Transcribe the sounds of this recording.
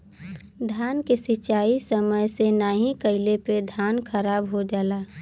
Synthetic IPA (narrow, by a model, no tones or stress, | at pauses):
d̪ʱjaːnkesɪt͡ʃaːisəməjsenaːɦĩkəɪleped̪ʱjaːnkʰəɾaːbɦod͡ʒaːlaː